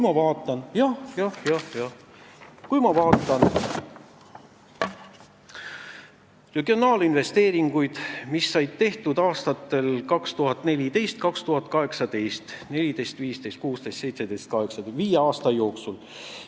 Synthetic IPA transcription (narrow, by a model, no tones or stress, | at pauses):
kjmɑvɑːt̪ːˑɑnjɑhjɑhjɑhjɑ | kujmɑvɑːt̪ːˑɑn | re̞ɡio̞nɑːlinve̞st̪e̞ːɾiŋɡ̥ujd̪̥misːɑjd̪̥̚t̪e̞ht̪ud̪̥ɑːst̪ɑt̪ːˑe̞lkɑkst̪uɦɑt̪ːˑne̞lʲid̪e̞jst̪̚kɑkst̪uɦɑt̪ːˑkɑɦe̞ksɑd̪e̞jst̪ne̞lʲid̪e̞jst̪viːst̪e̞jst̪kuːst̪e̞jst̪se̞jt̪se̞d̪e̞jst̪̚kɑɦeksɑviːjeɑːst̪ɑjo̞ːksul